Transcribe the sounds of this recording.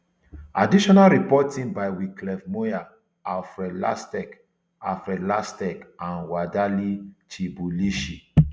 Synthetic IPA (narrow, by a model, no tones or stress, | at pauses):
adiʃɔnalɾipɔtĩŋbajwiklɛfmoja | afɾɛla̰stɛk | afɾɛlastɛkãnwadalit͡ʃibuliʃi